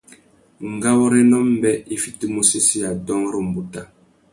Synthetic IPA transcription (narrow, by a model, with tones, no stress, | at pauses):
ŋ̩˨ɡa˦wɔ˦ɾɛ˦nɔ˦m˦bɛ˦i˦fi˦ti˦mu˦si˦si˦ja˨dɔ˦ŋɾi˨m̩˨bu˨ta˦